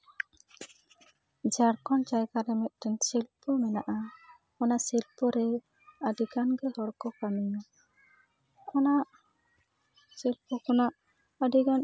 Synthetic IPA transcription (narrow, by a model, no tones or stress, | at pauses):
d͡ʒaɾkɔnt͡ʃajkaɾɛmɛt̪̚ˀʈɛnsilpɔmɛnaʔa | kɔnasilpɔɾɛ | ədiɡanɡɛhɔɾkɔkamina | kɔnaʔ | silpɔkɔnaʔ | ədiɡan